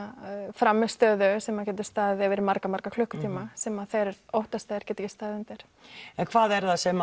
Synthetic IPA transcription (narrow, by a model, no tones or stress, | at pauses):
fɾamːʏst̪œːðʏsɛmacɛːt̪̬ʏ̥st̪aːððɛvɪɾmaɾkamaɾkakʰlʏhkʏt̪ʰiːmasɛmaðθejɾɛɾowht̪ast̪aːɪɾ̥cɛːt̪ɪcɪst̪aːðɪnt̪ɪɾ̥ | ɛnkʰv̥aːðɛɾðasɛma